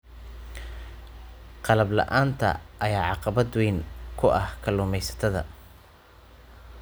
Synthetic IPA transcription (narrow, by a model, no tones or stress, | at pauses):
qɑlɐblɑ̰ʔaːnt̪ʰɐ̰ʔɐjaːʕɑqɑβɐd̪wɛːŋkʰʊʔɐhkʰɐluːmɛjsɐ̥t̪ʰɐðɐ̰